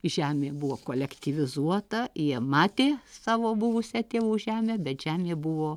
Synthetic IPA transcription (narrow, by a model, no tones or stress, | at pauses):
ʒʲæːmʲeːbʊʋoːkoːlʲɛkt̪ʲiʋʲɪzuɔt̪ɐjiɛmɑːt̪ʲeːsɑːʋoːbʊʋʊsʲɛt̪ʲeːʋuːʒʲæːmʲeːbʲɛt̪ʒʲæːmʲeːbʊʋoː